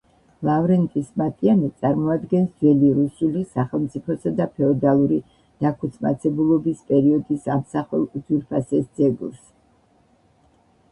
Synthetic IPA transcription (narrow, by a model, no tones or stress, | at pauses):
lˠavɾɛnt̪ʼismat̪ʼianit̪sʼaɾmɔad̪ɡɛnsd̪zɛliɾusulisaχɛlˠmt̪sʼipʰɔsad̪apʰɛɔd̪alˠuɾi | d̪̥akʰut̪sʰma̰t̪sʰɛbulˠɔbispʼɛɾiɔd̪isamsaχɛlˠud̪zwiɾpʰasɛsd̪z̥ɛɡṵɾs